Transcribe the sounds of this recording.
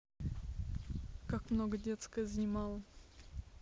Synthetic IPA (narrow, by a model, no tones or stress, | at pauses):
kakmnoɡədʲet̪skəəznʲɪmalˠə